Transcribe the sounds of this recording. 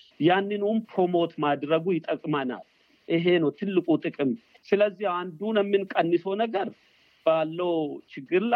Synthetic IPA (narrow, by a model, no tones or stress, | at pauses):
janːɨnunpʰɾo̞mo̞t̪mad̪ɾəɡujɪt̪ʼəkʼmɐna̰l | ʔɪɦe̞nəwt̪ʰɨlːɨkʼut̪ʼɨkʼɨm | sɨləzːihand̪unɛmːɨnkʼənːɨsownəɡəɾ | b̥alːəwt͡ʃɪɡːɨɾl